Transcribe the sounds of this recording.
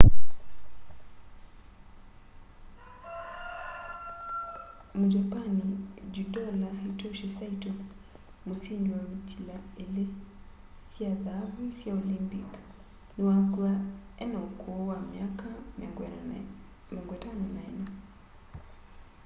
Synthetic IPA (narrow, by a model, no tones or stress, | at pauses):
mud͡ʒapanid͡ʒudɔlaitoʃisaito | mosindwautilaele | sjaðaβisjaolimbiɔ | newakwaɛnaokowamjaka | moŋɡɛtanɔnaena